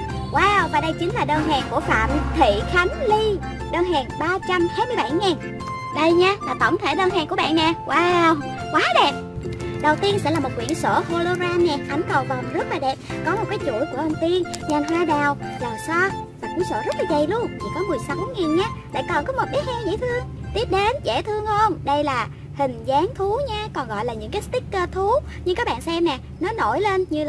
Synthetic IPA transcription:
waː˧wvaː˨˩ɗə˧jt͡ɕï˨˦ŋ̟laː˨˩ɗəː˧nɦɛː˨˩ŋku˧˩əfa̰ː˧˨mt̪ʰḭ˧˨xa˨˦ŋ̟li˧ | ɗəː˧nɦɛː˨˩ŋɓaː˧t͡ɕa˧mhaː˧jmɨ˧əjɓa˧˩jŋɛː˨˩n | ɗə˧jɲaː˧laː˨˩t̪ə˧˩wŋ͡mt̪ʰe˧˩ɗəː˧nɦɛː˨˩ŋku˧˩əɓ̰a̰ː˧˨nːɛ˨˩wʔaː˧w | kwaː˨˦ɗe˨˩p̚ɗə˨˩wt̪i˧ənsɛ̰˧˥laː˨˩mo˨˩t̚kwḭ˧˨ənsəː˧˩xo˧lo˧zaː˧mɲɛ˨˩ʔa˨˦jŋ̟kə˨˩wvə˨˩mzə˦˥t̚laː˨˩ɗɛ˨˩p̚kɔ˨˦mo˨˩kaː˨˦jt͡ɕṵ˧˩əjku˧˩əʔə˧nfi˧ənɲə˨˩nɦwaː˧ɗaː˨˩w | laː˨˩msɔ˧laː˨˩kwi˧˩˥nsə̰ː˧˩zə˦˥t̚laː˨˩zə˨˩jlu˧əŋt̪ʰi˨˩kɔ˨˦mɨ˨˩əjsa˨˦wŋi˨˩nɲaː˧˦la̰ː˧˨jkɔ˨˩nkɔ˨˦mo˨˩t̚ɓi˦˥ət̚ʔɛː˧ŋɲḭ˧˥t̪ʰɨ˧əŋt̪i˦˥əp̚ɗe˨˦nzɛ̰˧˩t̪ʰɨ˧əŋhə˧ŋ͡mɗə˧jlaː˨˩ | hï˨˩ŋ̟zaː˨˦ŋt̪ʰu˨˦ɲaː˧kɔ˨˩nɣɔ̰˧˨jlaː˨˩ɲɨ̰˧˥ŋkaː˨˦st̪ï˦˥kkːəː˧t̪ʰu˨˦ | ɲɨ˧ŋkaː˨˦˥k̚ɓa̰ː˧˨nsɛ˧mnɛ˨˩ | nɔ˨˦no̰˧˩jle˧nɲɨ˧l

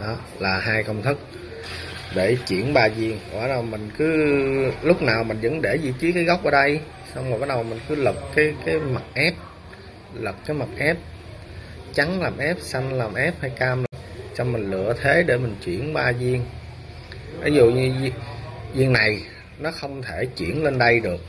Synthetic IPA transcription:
ɗɔ˨˦ | laː˨˩ɦaː˧jkə˧wŋ͡mt̪ʰɨ˦˥k̚ | ɗe˧˩t͡ɕwḭ˧˩˨ənɓaː˧zi˧əŋʔa̰ː˨˦nɗə˨˩wmï˨˩ŋ̟kɨ˨˦lʊ˦˥k͡p̚naː˨˩wmï˨˩ŋ̟zə̰˧˥nɗe˧˩zi˧˩t͡ɕi˨˦kaː˨˦jɣɔ˦˥wk͡p̚ʔəː˧˩ɗə˧j | sa˧wŋ͡mhɓaː˨˦nɗə˨˩mï˨˩ŋ̟kɨ˨˦lə˨˩p̚kaː˨˦jkaː˨˦jma˨˩t̚ʔɛ˦˥p̚ | lə˨˩p̚kaː˨˦jma˨˩k̚ʔɛ˦˥p̚ | t͡ɕa˨˦ŋlaː˨˩mʔɛ˦˥p̚sa˧jŋlaː˨˩mʔɛ˦˥p̚ha˧jkaː˧ml | t͡ɕɔ˧wmï˨˩ŋ̟lɨ̰˧˨ət̪ʰe˨˦ɗe˧˩mï˨˩ŋ̟t͡ɕwḭ˧˩ənɓaː˨˩zi˧əŋ | ʔḭ˨˦zu˨ɲɨ˧zi˧əŋːa˨˩j | nɔ˨˦xə˧wŋ͡mt̪ʰe˧˩t͡ɕwḭ˧˩ənle˧nɗə˧jɗɨ˨˩ək̚

